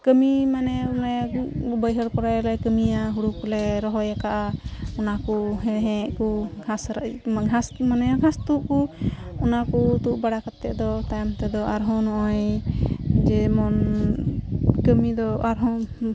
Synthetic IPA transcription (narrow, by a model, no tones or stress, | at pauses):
kəmimanɛnɛbəjɦəɾkɔɾajlɛkəmijaɦuɽukɔlɛɾɔɦɔjakaʔaɔnakuɦɛɦɛ̃ʔkuɡʱasɾɡʱasmanɛɡʱãst̪uʔkuɔnakut̪uʔbaɽakat̪ːɛ̰ʔd̪ɔt̪ajɔmt̪ɛd̪ɔʔaɾɦɔ̃nɔʔɔj | d͡ʒɛmɔn | kəmid̪ɔaɾɦɔ̃